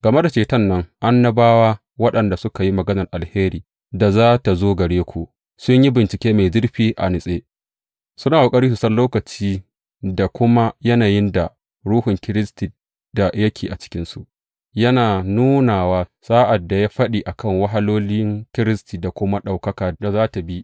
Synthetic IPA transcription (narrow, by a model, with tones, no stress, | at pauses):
ɡɐ˨me˦da˨t͡ʃeː˨tɐ˦˨nːɐ˦ŋʔa˦nːɐ˦baː˦waː˦ | wɐ˦ɗɐ˨nda˨sʊ˦ka˨ji˦mɐ˨ɡɐ˦nɐ˨rʔa˨lheː˦ɾiː˨ | da˨zaː˦ta˨zoː˦ɡɐ˨ɽeː˦kʷʰoː˨ | sʊ˦ɲji˦bɪ˨nt͡ʃɪ˨kʲeː˦meː˨d͡ʒɪ˦rɸiː˦ʔa̰˨nɪ˨sʼeː˦ | sʊ˦naː˨ʔa˨kʼɐ˦ɾiː˦s̬ʊ˨sɐ˦nlːoː˦kɐ˨t͡ʃiː˦ | da˨kʷʊ˦ma˦jɐ˦naː˨jɪ˦nda˨ | ɽuː˦hʊ˨ŋkʲɪ˦ɾɪ˦sti˨ | d̥a˨jɐ˦kʲʰeː˨ʔa˨t͡ʃɪ̥˦kʲɪ˦nsu˨ʔ | jɐ˦naː˨nuː˦naː˨waː˦saː˦ʔa˨dːa˨ja˦ɸɐ˦ɗiː˨ʔa˨kɐ˦˨ŋwɐ˦ɦa˦loː˦lɪ˦ŋkʲɪ˦ɾɪ˦stiː˨da˨kʷʊ˦ma˦ɗa˨wkɐ˦kaː˨da˨zaː˦ta˨bi˦